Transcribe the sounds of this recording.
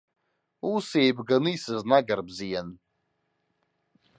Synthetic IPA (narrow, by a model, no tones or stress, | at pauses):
use̞jbɡanɨisɨznaɡarbzijan